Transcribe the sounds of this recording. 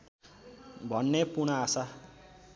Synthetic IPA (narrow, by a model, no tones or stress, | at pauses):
bʱʌnːepunaːsa